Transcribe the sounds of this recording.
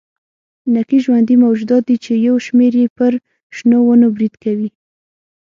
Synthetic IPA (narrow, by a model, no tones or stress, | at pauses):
nakiʒwand̪imawd͡ʒud̪ɑt̪̚d̪it͡ʃejawʃmeɾjepəɾ | ʃnowənobɾid̪kawi